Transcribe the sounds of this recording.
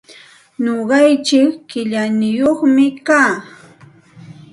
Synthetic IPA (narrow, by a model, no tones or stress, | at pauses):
ɲoɢɑjt͡ʃɪkːɪʎanɪjoχmɪkaː